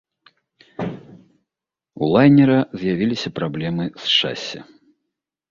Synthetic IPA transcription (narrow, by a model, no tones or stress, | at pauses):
ṵlˠajnʲɛɾɐzʲjavʲilʲisʲɐpɾablʲɛmɨsʂa̰sʲːɐ̰